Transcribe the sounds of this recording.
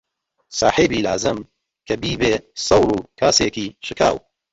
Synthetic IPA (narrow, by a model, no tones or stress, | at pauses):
sɑːħeːbiːla̰ːzɨm | kʰɐbiːbeːsˤɐwɾuːkʰaːseːkiːʃɨkʰa̰ːw